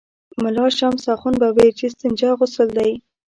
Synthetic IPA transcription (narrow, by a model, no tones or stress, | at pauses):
mʊlɑʃamsɑχunbaweɾt͡ʃist̪ənd͡ʒɑɣʊsəld̪aj